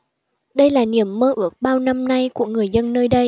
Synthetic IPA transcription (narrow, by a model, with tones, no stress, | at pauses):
ɗə˧jlaː˨˩ni˨˩əmːəː˧ʔɨ˦˥ək̚ɓaː˧wna˧mna˧jku˧˩əŋɨ˨˩əjzə˧nːəː˧jɗə˧j